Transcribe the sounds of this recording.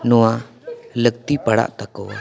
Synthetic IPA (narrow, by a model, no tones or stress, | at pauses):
nɔwa | lək̚t̪ipaɽa̰ʔt̪akɔ̰